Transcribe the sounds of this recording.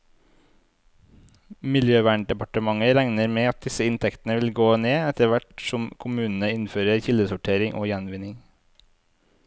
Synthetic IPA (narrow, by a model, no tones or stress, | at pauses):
mɪljøːʋæːɳ̚ɖɛpɑʈəmɑŋəɾæŋnəɾmeːɑt̪̚d̪ɪsəɪnt̪ʰɛkt̪n̩əʋɪlɡoːneːɛt̪əʋæʈsɔmkʰʊmʉːnn̩əɪnføːɾəɾçɪld̪əsʊʈʰeːɾɪŋʔo̰ːjænʋɪnɪŋ